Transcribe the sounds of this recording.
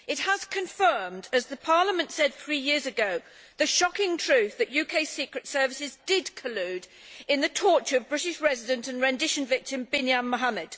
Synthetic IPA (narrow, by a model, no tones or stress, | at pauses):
ɨt̚həz̥kʰɨ̃ɱfɜ̃˞mdɨzðɨpʰɑɹlˠəmɨ̃ntsɛd̥θɹijɪɹzɨɡoʊ | ðɨʃɑkɪ̃ŋtʰɹ̥ʉˑθðɨʔjʉkʰeɪsikɹɨtsɜ˞vɨsɪzdɪd̚kʰəlʉɾɨ̃nðɨtʰɔɹt͡ʃə˞ʌvbɹɪɾɪʃɹɛzɪdɨ̃ntɨ̃nɹɛ̃ndɪʃɨ̃nvɪk̚tɨ̃mbɪ̃njãmːəɦamɨd̥